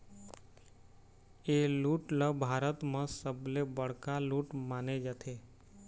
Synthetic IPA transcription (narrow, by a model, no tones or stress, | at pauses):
eːluːʈləbʱaːɾət̪mə̃səblebəɽ̤kaluːʈmaːned͡ʒət̪ʰeː